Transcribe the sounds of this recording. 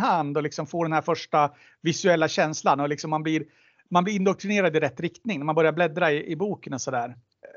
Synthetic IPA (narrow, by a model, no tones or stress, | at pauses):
hand̪ɔlɪksɔmfoːɖɛnhæːɾfœʂʈa | vɪsɵɛlːaɕɛnslanɔlɪksɔmːanblɪɾ | manblɪɾɪnd̪ɔk̚t̪ɾɪneːɾad̪ɪɾɛt̪ːɾɪkt̪nɪŋnæmanbœɾjaɾblɛd̪ɾaɪʔɪbuːkənɔsɔd̪æːɾ